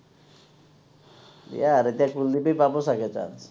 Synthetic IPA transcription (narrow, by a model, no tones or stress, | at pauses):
jaɾet̪jãkuld̪ipəjpaposakʰet͡ʃa̰ns